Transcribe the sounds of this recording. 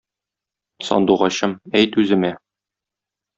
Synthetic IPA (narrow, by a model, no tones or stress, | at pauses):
sɒ̰nd̪uʁɑɕɤmæjt̪ʉzɘ̆mæ